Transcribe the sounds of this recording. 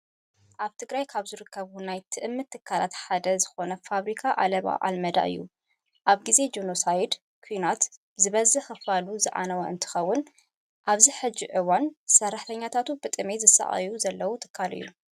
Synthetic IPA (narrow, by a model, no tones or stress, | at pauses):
ʔaβt̪ʰɨɡɾajkʰaβzɨɾɨkʰːɐβunajt̪ʰɨʔɨmːɨt̪ʰːɨkʰːalat̪ħad̪ɐzɨxo̞nɐfaβɾikʰaʔalɐβa̰ʔa̰lmɐd̪a̰ʔɨ̰jːu | ʔaβɡize̞d͡ʒonosajd̪ | kʰujnat̪ | zɨβɐzɨxɨfaluzɨʕa̰nɐwɐɨ̰nt̪ʰɨ̥xɐwːʊn | ʔaβziħɨd͡ʒːiʕɨwansɐrːaħt̪ʰɐɲːat̪ʰat̪ubɨt̪ʼɨmezɨsa̰ʔɐ̰juzɐlːɐwut̪ʰɨ̥kʰːalɨ̰jːu